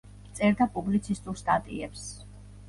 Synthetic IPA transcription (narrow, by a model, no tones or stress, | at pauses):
t̪sʼɛɾd̪apʼublit̪sʰist̪ʼuɾst̪ʼat̪ʼḭɛps